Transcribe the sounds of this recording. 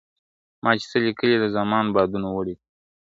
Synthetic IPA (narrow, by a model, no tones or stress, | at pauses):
mʔɑt͡ʃe̥səlikəlid̪əzɑmɑnbɑd̪unawəɽi